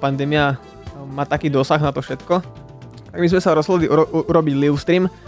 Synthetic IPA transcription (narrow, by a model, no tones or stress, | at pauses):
pand̪ɛːmia | maːt̪akiːd̪ɔsaɣnat̪ɔfʃɛt̪kɔ | t̪aɡmizmɛsaɾɔzɦɔd̪liʔuuɾɔbiɟliʊst̪ɾiːm